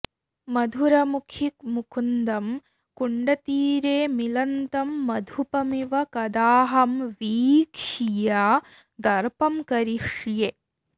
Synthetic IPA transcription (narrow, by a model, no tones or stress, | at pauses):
mɐd̪ʱuɾɐmukʰikmukʰund̪ɐm | kuɳɖɐt̪iːɾeːmilɐnt̪ɐmːɐd̪ʱupɐmiʋɐkɐd̪aːɦɐmʋiːkʂijaː | d̪ɐɾpɐmkɐɾiʂje